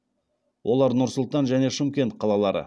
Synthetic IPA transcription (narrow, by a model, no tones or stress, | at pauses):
wʔo̞lˠɑɾnʊɾsʊlˠt̪ɑnʒæne̞ʃɪmkʲe̞nt̪̚qʰɑlˠɑlˠɑɾə̰